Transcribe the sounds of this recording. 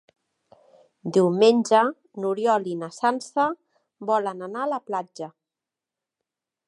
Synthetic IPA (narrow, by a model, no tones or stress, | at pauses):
d̪iwmenʲd͡ʒə | nuɾjɔlinəsansə | bɔlənənaləplad͡ʒə